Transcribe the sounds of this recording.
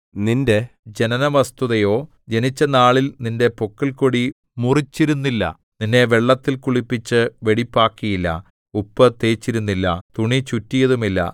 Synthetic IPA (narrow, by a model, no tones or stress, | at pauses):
ninde̞d͡ʑe̞nɐnɐʋɐst̪uðɐjo̞ː | d͡ʑe̞nit͡ɕːɐnaːɭilninde̞pokːilkoɽi | murit͡ɕːiɾunːilːɐ̰ | ninːe̞ʋe̞ɭːɐt̪ːilkuɭipːit͡ɕːɨʋe̞ɽipːaːkːijilːɐ̰ | upːɨt̪e̞ːt͡ɕːiɾunːilːɐ̰t̪uɳit͡ɕutːijɐðumilːɐ̰